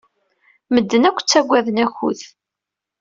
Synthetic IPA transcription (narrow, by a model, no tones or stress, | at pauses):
məd̪ːənækʷːt͡sːæɡʷæðənæçṵð